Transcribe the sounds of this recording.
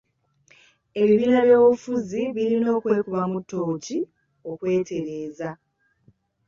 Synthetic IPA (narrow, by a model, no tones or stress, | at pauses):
e̞βiβiːnaβjo̞ːβufuziβiɾino̞ːkwe̞ːkuβamutːo̞ːci | o̞kwe̞ːte̞ɾe̞ːza